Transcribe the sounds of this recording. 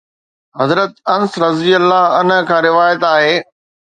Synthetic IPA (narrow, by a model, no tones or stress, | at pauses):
ɦɐzɾət̪ɐnsɾɐzijəlːaːɦɐnəkʰãːɾɪʋaːjət̪aːɦeː